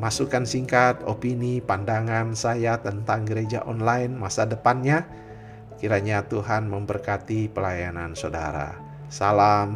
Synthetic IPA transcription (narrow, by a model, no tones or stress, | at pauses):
masukansiŋkat̪opinipandaŋansajat̪ənt̪aŋɡəɾed͡ʒa̰ʔɔnlaɪnmasadəpanɲa | kiɾaɲat̪uɦanməmbərkat̪ipəlajananso̰da̰ɾa̰ | salam